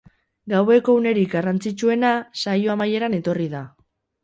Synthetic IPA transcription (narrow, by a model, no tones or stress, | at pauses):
ɡawe̞ko̞une̞ɾikɡarant͡sit͡ʃue̞nasajo̞amaje̞ɾane̞t̪o̞riða